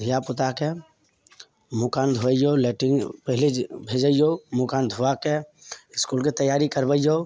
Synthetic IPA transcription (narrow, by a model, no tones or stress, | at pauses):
d̪ʱijapʊt̪ake | mʊkaːnd̪ʱuəjoleʈɪŋɡpəɦɪlid͡ʒbʱed͡ʒəjomʊkaːnd̪ʱuakeɪskulket̪əjaːɾikəɾbəjo